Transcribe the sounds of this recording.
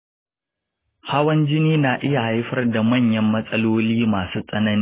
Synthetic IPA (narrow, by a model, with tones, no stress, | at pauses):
ha˦wɐ˦nd͡ʒɪ˦niː˦naː˨ʔɪ˦ja˨ha˦jɸɐ˦rda˨mɐ˦˨ɲjɐ˦mːɐ˦sʼɐ˦loː˦liː˦maː˨suː˦sʼɐ˦nɐ˦niː˦